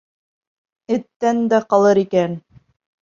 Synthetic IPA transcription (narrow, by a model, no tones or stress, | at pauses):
ɘ̆t̪ːænd̪æqɑlˠɤɾikæn